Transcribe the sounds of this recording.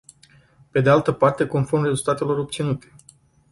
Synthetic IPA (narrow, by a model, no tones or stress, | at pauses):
pe̞d̪ealt̪əpart̪e̞ko̞nformre̞zult̪at̪e̞lo̞ɾo̞p̚tsinut̪e̞̥